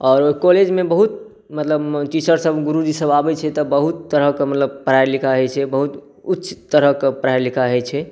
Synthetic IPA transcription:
ɔːɾoikoled͡ʒmẽbəɦut̪̚ | mət̪ləbt̪isəɾsəbɡuɾud͡ʒisəbabɛt͡ʃʰɛt̪ɔbəɦut̪ːəɾəkemət̪ləb̚pɾajɾlikʰaɦɛjt͡ʃʰɛbəɦut̪ | utːt͡ʃʰi̥t̪ːəɾəkepɾajɾlikʰaɦɛjt͡ʃʰɛ

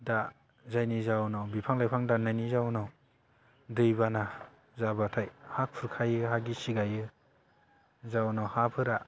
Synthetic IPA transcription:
da | zajnizawnawbipʰaŋlajpʰaŋdanajnizawnaw | dɯjbana | zabatʰajhak̚pʰɯɾkʰajɯɦaɡisiɡajɯ | zawnawhapʰɯɾa

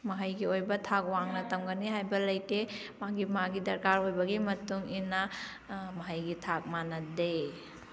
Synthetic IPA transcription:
mɐɦɐjɡiojbɐtʰak̚waŋnɐtɐmɡɐniɦajbɐlɐjte | maɡimaɡidɐɾkaɾojbɐɡimɐtuŋinɐ | mɐɦɐjɡitʰak̚manɐde

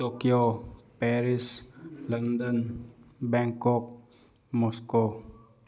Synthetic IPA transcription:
t̪okiopɛɾisland̪ənbɛ̃ŋkɔp̚ | mɔsko

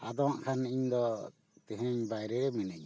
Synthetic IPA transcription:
ad̪ɔaʔkʰaniɲd̪ɔ | t̪ɛ̃ɦɛ̃ɲbajɾɛɾɛmɛnɛɲ

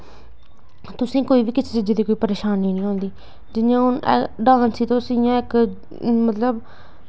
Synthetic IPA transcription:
t̪ʊsĩːkoːiːbiːkɪseːt͡ʃɪd͡ʒeːd̪iːkoːiːpəɾeːʃaːnːĩːnĩːɦõːnd̪iː | d͡ʒɪjãːɦʊnɖãːnsiːt̪õːsijãːɪk | mət̪ləb

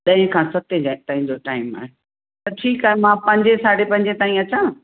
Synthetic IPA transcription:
ɗɐ̃ɦɪ̃kʰãsɐt̪ed͡ʑat̪aːɦĩɲd͡ʑoʈaːɪma̰ːɦe | t̪ɐʈʰiːkaːɦemãpɐ̃ɲd͡ʑesaːɽepɐ̃ɲd͡ʑet̪aːĩɐt͡ɕãː

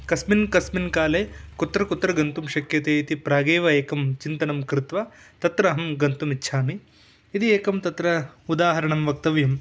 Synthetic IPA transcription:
kɐsminkɐsminkaːleːkut̪ɾɐkut̪ɾɐɡɐnt̪umʃɐkjɐt̪eːit̪ipɾaːɡeːʋɐeːkɐmt͡ʃint̪ɐnɐmkɾɪt̪ʋɐ | t̪ɐt̪ɾɐɦɐmɡɐnt̪umitːʃʰaːmiː | t̪ieːkɐmt̪ɐt̪ɾɐud̪aːɦɐɾɐɳɐmʋɐk̚t̪ɐʋjɐm

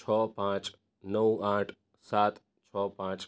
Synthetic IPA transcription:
t͡ʃʰɔpãt͡ʃ | nəw̃aʈʰ | sat̪ | t͡ʃʰɔpãt͡ʃ

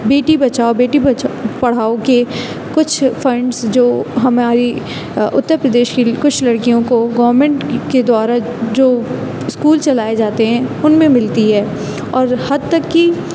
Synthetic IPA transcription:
beːʈibɐt͡ʃaːobeːʈibɐt͡ʃpɐɽ̤aːoke | kʊt͡ʃʰfʰɐ̃ɳɖsd͡ʒoːɦɐmaːɾi | ʊt̪ːəɾpɾɐd̪eːʃkikʊt͡ʃʰlɐɽkijõkoɡɐʋəɾmɛ̃ɳʈked̪waːɾa | d͡ʒoː | ɪskuːlt͡ʃɐlaːed͡ʒaːt̪eɦɛ̃ʊnmẽmɪlt̪iɦɛː | ɔːɾhɐd̪̚t̪ɐkːi

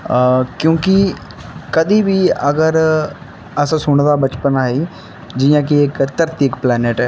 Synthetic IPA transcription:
kjõːkɪ | kəd̪iːbiːəɡəɾ | əsãsʊɳ̃d̪aːbət͡ʃpənaːiː | d͡ʒijãːkɪɪkt̪əɾt̪ɪkplɛːneʈɛː

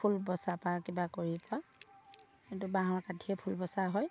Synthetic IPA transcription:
pʰulbɔsapakibakoɹipa | kintubaɦɔɹkatʰiɛpʰulbɔsaɦɔj

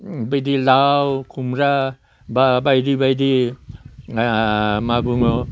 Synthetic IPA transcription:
bajdilawkʰumɾa | babajdibajdi | maɡuŋo

